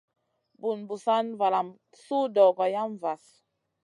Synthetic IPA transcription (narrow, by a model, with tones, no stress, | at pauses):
bu˨nbu˨sa˦nva˨la˨m | su˦dɔ˨ɡɔ˨ja˦m˨va˨s